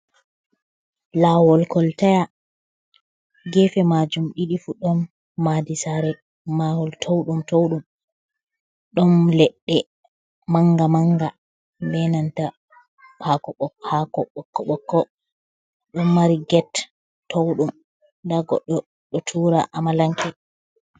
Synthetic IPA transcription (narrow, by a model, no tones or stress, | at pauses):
lawɔlkɔltaja | ɡɛfɛmad͡ʒumɗiɗifuɗɔnː | adisaɾɛ | mawɔltʰowɗumtowɗum | ɗɔnlɛɗːɛ | maŋɡamaŋɡa | bɛnanta | akɔɔhakɔɓɔkːɔɓɔkːɔ | ɗɔmːaɾiɡɛt | tːowɗum | daɡɔ̰ɗːɔ | ɗɔtʰuːɾa̰ʔamalaŋkʰɛ